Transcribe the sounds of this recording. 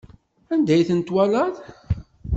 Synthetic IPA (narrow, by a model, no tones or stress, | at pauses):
ænd̪æjθənt̪wælæð